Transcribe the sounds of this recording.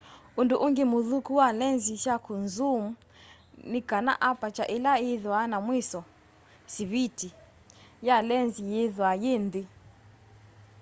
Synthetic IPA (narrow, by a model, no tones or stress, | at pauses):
unduʔuŋɡemuðukuwalɛnziʃjakʰunzumu | nikana̰ʔapat͡ʃaʔilaeðwanamwisɔ | siβitʰi | jalɛnzijeðwajend̪i